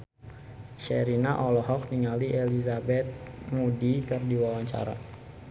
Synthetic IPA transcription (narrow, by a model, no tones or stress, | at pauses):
ʃɛɾinaʔɔlɔɦɔk̚niŋaliʔelizabɛt̪̚mudikərdiwawaɲt͡ʃa̰ɾa̰